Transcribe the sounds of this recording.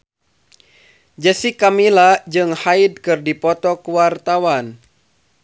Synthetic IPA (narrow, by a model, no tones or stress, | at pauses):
d͡ʒəsikamilad͡ʒɨŋhaidkɨrdipɔt̪ɔkuwart̪awan